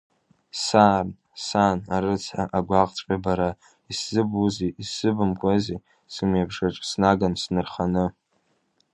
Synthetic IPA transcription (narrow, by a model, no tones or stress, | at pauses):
san | sanaɾɨt͡sʰaʔaɡʷaqʼt͡sʷʼabaɾa | iszɨbuziisɨbɨmkʷʼazi | sɨmjabʂaʈ͡ʂʼsnaɡansnɨrχanɨ